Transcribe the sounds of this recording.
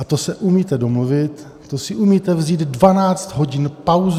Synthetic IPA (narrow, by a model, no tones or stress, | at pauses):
at̪osɛʔumiːt̪ɛdo̞mluvɪt̪ː | osɪʔumiːt̪ɛvziːd̪dvanaːt͡st̪ɦo̞ɟɪnpawz